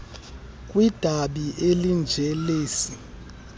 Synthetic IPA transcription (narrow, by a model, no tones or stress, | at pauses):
kʼwid̥ʱaɓiʔelind͡ʒʱɛleːsi